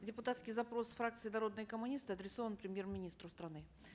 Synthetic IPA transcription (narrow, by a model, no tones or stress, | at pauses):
dʲɪpʊt̪at̪skʲɪjzɐpɾo̞sfɾak̚t̪sɨɪnɐɾo̞d̪nəjəkəmʊnʲist̪ɨɐd̪ɾʲɪso̞vənpɾʲɪmʲje̞rmʲɪnʲist̪ɾʊst̪ɾɐnɨ